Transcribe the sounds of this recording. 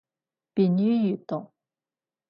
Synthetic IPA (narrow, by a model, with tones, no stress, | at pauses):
pi˨ny˥jy˨t̪ʊ˨ŋ